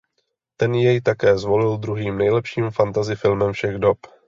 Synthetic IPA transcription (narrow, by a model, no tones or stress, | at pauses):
t̪ɛnjɛjt̪akɛːzvo̞lɪld̪ɾuɦiːmnɛjlɛpʃiːmfant̪azɪfɪlmɛmfʃɛɣdop